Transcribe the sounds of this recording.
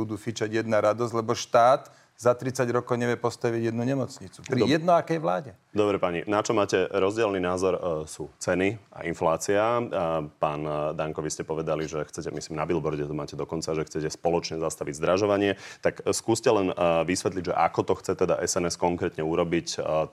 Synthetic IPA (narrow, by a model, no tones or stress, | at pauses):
ud̪uːfit͡ʃaɟjɛd̪naɾad̪ɔzɟlɛbɔʃt̪aːt̪ | zat̪ɾit͡saɟɾɔkɔʊɲɛʋɪɛpɔst̪aʋiɟjɛd̪nuɲɛmɔt͡sɲit͡supɾijɛd̪nɔakɛjʋlaːɟɛ | d̪ɔbɾɛpaɲinat͡ʃɔmaːcɛɾɔzɟɪɛlniːnaːzɔɾsuːt͡sɛnia̰ʔinflaːt͡siapaːnd̪aŋkɔʋiscɛpɔʋɛd̪aliʒɛxt͡sɛcɛmisliːmnabilbɔɾɟɛt̪ɔmaːcɛd̪ɔkɔnt͡saʒɛxt͡sɛcɛspɔlɔt͡ʃɲɛzast̪aʋiɟzd̪ɾaʒɔʋaɲɪɛt̪akskuːscɛlɛnʋisʋɛt̪liɟʒɛ̰ʔakɔt̪ɔxt͡sɛt̪ɛd̪a̰ʔɛsɛnɛskɔŋkɾɛːt̪ɲɛuɾɔbic